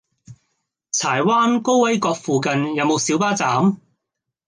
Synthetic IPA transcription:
t͡sʰaː˨˩jwaː˥nko˥wwɐ˨˥jkɔː˧k̚fuː˨kɐ˨njɐ˨˧wmo˨˧wsiː˨˥wpaː˥t͡saː˨˥m

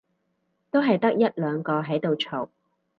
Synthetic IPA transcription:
t̪o˥wɦɐ˨jt̪ɐ˥k̚jɐ˥t̚lœː˨˧ŋkɔː˧ɦɐ˨˥jt̪o˨wt͡ʃʰo˨˩w

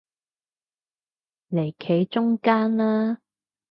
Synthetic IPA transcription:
le˨˩jkʰe˨˥jt͡ʃʊ˥ŋkaː˥nlaː˥

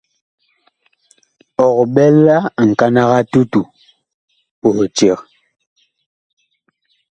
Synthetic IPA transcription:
ɔ˨kɓɛ˦lːa˦˨ŋ̩˨ka˦na˦ɣa˦tu˦tu˨ | po˨ht͡ʃɛ˨k

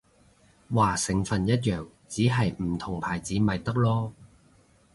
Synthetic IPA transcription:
waː˨˩sɪ˨ŋfɐ˨njɐ˥t̚jœː˨˩ŋ | t͡siː˨˥ɦɐ˨jm̩˨˩t̪ʰʊ˨˩ŋpʰaː˨˩jt͡siː˨˥mɐ˨jt̪ɐ˥k̚lɔː˥

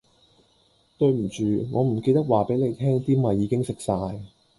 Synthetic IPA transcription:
t̪ɵ˧ɥm̩˨˩t͡ʃyː˨˩ŋɔː˨˧m̩˨˩ke˧jt̪ɐ˥k̚waː˨˩pe˨˥le˨˧jt̪ʰɛː˥ŋt̪iː˥mɐ˨˧jːiː˨˧kɪ˥ŋsɪ˨k̚saː˧j

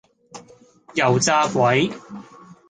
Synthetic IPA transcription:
jɐ˨˩wt͡saː˥kʷwɐ˨˥j

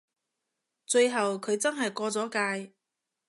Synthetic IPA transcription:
t͡sɵ˧ɥɦɐ˨wkʰɵ˨˧ɥt͡sɐ˥nɦɐ˨jkɔː˧t͡sɔː˨˥kaː˧j

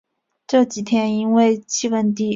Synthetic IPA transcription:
ʈ͡ʂɤ˥˩t͡ɕi˨˩t̪ʰjɛ˥ni˥nwe˥˧ɪt͡ɕʰi˥˩˧wə˥˧nt̪i˥˩

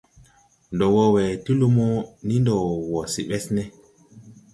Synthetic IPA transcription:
ndɔ˨wɔ˦wɛ˨ti˦lu˦mo˦ni˦ndɔ˨wɔ˨si˨ɓɛ˦snɛ˦

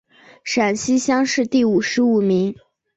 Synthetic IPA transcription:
ʂa˨˩nɕi˥ɕjɑ˥ŋʂɻ̩˥˧t̪i˥˩u˨˩ʂɻ̩˧˥u˨˩mi˧˥ŋ

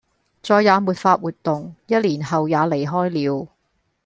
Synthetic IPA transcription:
t͡sɔː˧jaː˨˧muː˨t̚faː˧t̚wuː˨t̪ːʊ˨ŋjɐ˥t̚liː˨˩nhɐ˨wjaː˨˧le˨˩jɦɔː˥jliː˨˧w

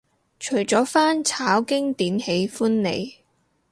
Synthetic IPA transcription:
t͡ʃʰɵ˨˩ɥt͡sɔː˨˥faː˥nt͡sʰaː˨˥wkɪ˥ŋt̪iː˨˥nhe˨˧jfuː˥nːḛ˨˧j

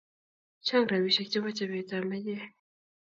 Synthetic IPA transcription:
t͡ɕʰa˥ŋra˩˨wiː˩˨ɕʰa˩˨ʔ̚t͡ɕe˥ŋwa˥˨t͡ɕa˥˨wɛː˨t͡sa˩˥˨ma˩˨jɛː˥˨

